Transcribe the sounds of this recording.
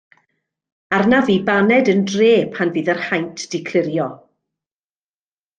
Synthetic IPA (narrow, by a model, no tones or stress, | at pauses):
arnaviːbanɛdəndreːpʰanviːðərhajntʰd̥ɪkʰl̥ɪɾjɔ